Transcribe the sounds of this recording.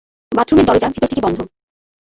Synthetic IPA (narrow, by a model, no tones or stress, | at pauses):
mad̪ɾumed̪ɔɾod͡ʑambʱit̪oɾt̪ʰekebɔnd̪ʱo